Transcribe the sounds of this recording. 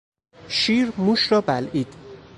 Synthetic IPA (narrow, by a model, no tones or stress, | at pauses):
ʃiːɾmuʃɾɒːbæliːd̪̥